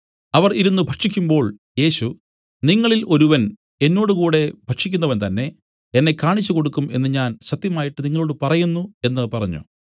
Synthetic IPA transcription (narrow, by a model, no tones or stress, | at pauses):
ɐʋɐriɾunːubʱɐʈʂikʲːumbo̞ːɭ | je̞ːɕu | niŋːɐɭilʔo̞ɾuʋɐn | e̞nːo̞ːɽukuːɽe̞bʱɐʈʂikʲːunːɐʋɐnt̪ɐnːe̞ | enːe̞kːaːɳit͡ɕːuko̞ɽukːume̞nːɨɲaːnɕɐt̪jɐmaːjiʈːɨniŋːɐɭo̞ːɽɨpɐrɐjunːue̞nːɐpɐrɐɲːṵ